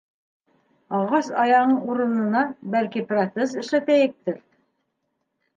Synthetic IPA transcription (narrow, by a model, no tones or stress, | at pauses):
ɑʁɑsɑjɑʁɤɴuɾɤ̆nɤ̆nɑbælkiprot̪ses̬ɘ̆ʃlæt̪æjɘ̆k̚t̪ɘɾ